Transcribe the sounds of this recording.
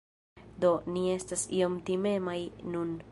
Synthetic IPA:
d̪o̞nie̞stasio̞mt̪ime̞majnun

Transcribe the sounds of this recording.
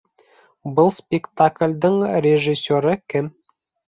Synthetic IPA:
bɤlˠspʲɪkt̪aklʲd̪ɤɴrʲeʒisʲːoɾɤkɘm

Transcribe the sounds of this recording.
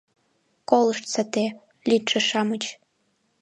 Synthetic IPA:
kolɤ̆ʃt̪sat̪e | lʲit̪ʃĕʃɑmət͡ɕ

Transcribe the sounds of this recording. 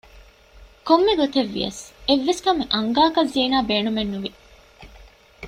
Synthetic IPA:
komːeɡot̪eʋːḭjɐ̰seʋːeskɐmeʔɐŋɡaːkɐzːiːnaːbeːnumenːuʋi

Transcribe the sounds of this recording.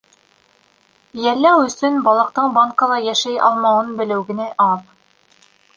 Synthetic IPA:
jælːæwɵ̆sɵnbɑlˠɑ̆q̚t̪ɤɴbɑŋkɑlˠɑjæʃæjɑ̰lˠmɑwɤnbɘ̆lɘ̆wɡɘ̆nɘʔɑð

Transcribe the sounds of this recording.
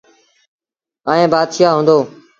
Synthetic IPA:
aːẽːbaːd̪ʃaːɦũːnd̪oː

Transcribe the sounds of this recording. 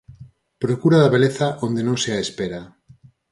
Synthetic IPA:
pɾokuɾaðaβeleθaʔond̪enõŋseaespeɾa

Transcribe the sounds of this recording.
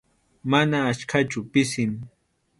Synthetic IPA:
manaːt͡ʃkʰat͡ʃʊpɪsɪn

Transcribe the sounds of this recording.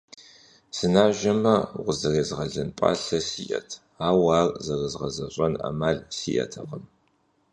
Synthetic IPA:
sɨnaːʒɐmɐʁʷʊzɐreːzʁɐɮɨnpʼa̰ːɬɐsiʔɐ̰tʰ | aːwaːrzɐrɨzʁɐzɐɕʼɐna̰maːɮsijʔɐ̰tʰɐʁəm

